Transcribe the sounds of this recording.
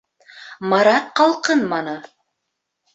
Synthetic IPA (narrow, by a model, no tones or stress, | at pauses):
mɑɾɑtqːɑlˠqɤnmɑnɤ